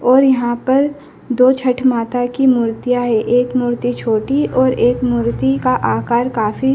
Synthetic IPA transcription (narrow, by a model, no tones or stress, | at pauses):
ɔːɾjɐɦãpɐɾ | d̪oːt͡ʃʰɐʈʰmaːt̪akimuːɾt̪ijaɦɛʔeːkmuːɾt̪it͡ʃʰoːʈiʔɔːɾeːkmuːɾt̪ikaʔaːkaːɾkaːfʰi